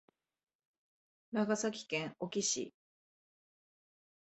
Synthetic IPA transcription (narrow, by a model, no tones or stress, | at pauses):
naɡasakʲi̥kẽŋo̞kʲiɕḭ